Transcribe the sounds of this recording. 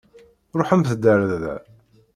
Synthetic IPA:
ɾˤoħəmθəd̪ːəɾððæ̰

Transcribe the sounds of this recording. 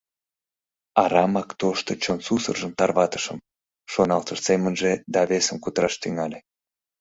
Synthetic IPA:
ɑɾɑmɑkt̪oʃt̪ot͡ɕonsusə̰rʒəmt̪ɑrβɑt̪ə̥ʃə̰m | ʃonɑlt̪əʃsemənʒed̪ɑβesəmkut̪əɾɑʃt̪yŋɑlʲe

